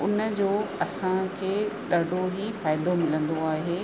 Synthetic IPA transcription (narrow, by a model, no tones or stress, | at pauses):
ʊnəd͡ʑoːɐsãkʰeːɗɐɖʱoɦifaːɪd̪omɪlə̃nd̪oaːɦeː